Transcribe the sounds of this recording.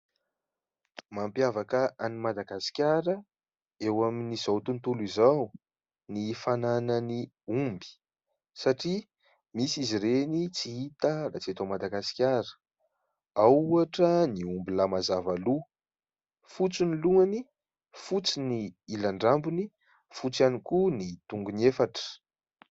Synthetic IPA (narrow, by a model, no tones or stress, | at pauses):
mampjavakəʔanimad̪aɡasi̥kʲjaɾə | ewaminiz̥awt̪unt̪ulizaw | nifananəni | umbi̥ | saʈ͡ʂi | misizirenit͡siit̪ərat͡set̪amad̪aɡasi̥kʲaɾə̥ | awuaʈ͡ʂəniumbilamazavalu | fut͡siniluani | fut͡siniilaɳɖ͡ʐambuni | fut͡sanikunit̪uŋɡunefaʈ͡ʂə̥